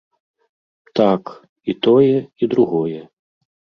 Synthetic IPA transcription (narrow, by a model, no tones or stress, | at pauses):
t̪ak | it̪ɔjɛid̪ɾuɣɔjɛ